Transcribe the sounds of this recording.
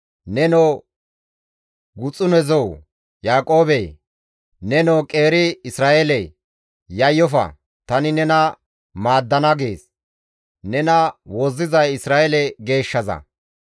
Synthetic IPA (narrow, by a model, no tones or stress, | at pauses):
nɛno | ɡʊt͡sʼːʊnɛzɔw | jaːkʼo̞ːbɛj | nɛnɔːkʼe̞ːɾɪɪsɾaːʔelɛj | jɐjːɔfɐ̰ | t̪ɐnɪnɛnɐ | maːd̪ːɐnɐɡeːs | nɛnɐwɔzːɪzɐjɪsɾaːʔɛlɛɡe̞ːʃːɐzɐ̰